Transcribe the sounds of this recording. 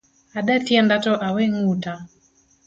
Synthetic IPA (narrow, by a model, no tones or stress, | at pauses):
aɗaθiandatɔʔawɛŋuta